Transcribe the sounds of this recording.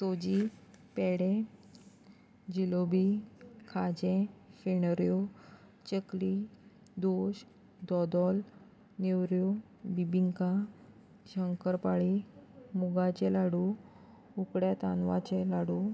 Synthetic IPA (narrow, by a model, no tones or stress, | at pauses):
sod͡ʑipeɽẽ | d͡ʑilobikʰad͡ʑẽfeɽɾjo | t͡ɕəkli | d̪oɕ | d̪ɔd̪ɔl | newɾjo | bibiŋka | ɕəŋkəɾpaɭimuɡat͡ɕelaɽu | ukɽjat̪anʋat͡ɕelaɽu